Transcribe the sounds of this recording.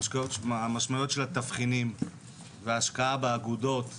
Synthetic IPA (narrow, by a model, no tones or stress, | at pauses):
ʃkajoamaʃmajo̞tʃelat̪afχinim | veaʃkaabeaɡudo̞t̪